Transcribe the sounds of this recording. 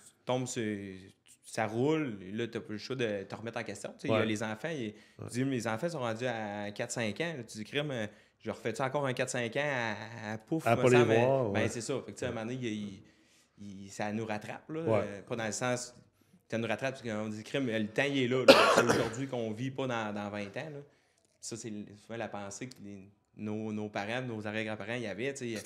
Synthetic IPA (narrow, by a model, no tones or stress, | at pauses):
t̪ɔ̃bsə̥ | saʁʊllɔt̪ɔpɔʃod̪ət̪əʁmɛt̪ɑ̃kʲɛst̪t͡sʲjɔ̃t͡seɪəlezɑ̃fãeyd͡z̪ilezɑ̃ːfãs̬ɔ̃ʁɑ̃ːd͡zyaɛ̃kat̪sɛ̃kãlɔt͡s̪yd͡zikʁɪmø | ʒəʁfɛt͡sɑ̃ːkɔːʁɛ̃kat̪sɛ̃ːkãaːpʊfmɔl̃mɛabɛ̃sesɔfak̚t͡seamãneji | isanuʁat̪ʁa̰plɔpɔd̪ãləsãs | sanuʁat̪ʁap̚ːi̥kɔ̃d͡zikʁɪmlət̪ãiɛlʌlɔseoʒʊʁzɥikɔ̃vipɔd̪ãd̪ɑ̃vɛ̃t̪ãlɔ | pi̥sʌsesuvãlapãːsekle | nonopaʁãnozaʁɛɡʁapaʁãijavɛt͡se